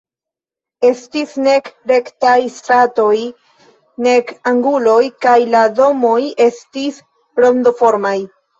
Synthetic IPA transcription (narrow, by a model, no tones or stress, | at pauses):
e̞stisne̞kɾe̞ktajstɾato̞j | ne̞kaŋɡulo̞jkajlado̞mo̞je̞stis | ɾo̞nd̪o̞fo̞ɾmaj